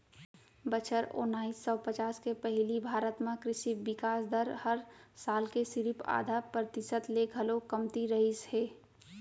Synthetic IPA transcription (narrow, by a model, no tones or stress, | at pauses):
bət͡ʃʰəɾo̰naːisːɔpət͡ʃaːskepɛɦlibʱaːɾət̪mãkɾɪʃibɪkaːsd̪ʱəɾhəɾsaːlkesɪɾɪpa̰ːd̪ʱapɾət̪ɪsət̪leɡʱɐlokəmt̪iɾəɦisheː